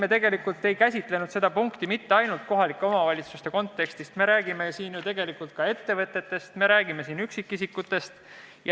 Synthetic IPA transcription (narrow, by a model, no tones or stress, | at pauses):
me̞t̪e̞ɡ̥e̞likːult̪ːˑe̞jkæsʲit̪le̞nud̪se̞d̪̥ɑpuŋkt̪imit̪ːeɑjnult̪̚ko̞ɦɑlikːˑeo̞mɑvɑlʲit̪sust̪e̞ko̞nt̪ːˑe̞kst̪ist̪me̞ɾæːɡ̥ime̞siːnjut̪e̞ɡ̥e̞likˑult̪̚kɑe̞t̪ːe̞vɤt̪ːˑe̞t̪ːe̞st̪me̞ɾæːɡ̥ime̞siːnyksikːisikːut̪ːˑe̞st̪ | j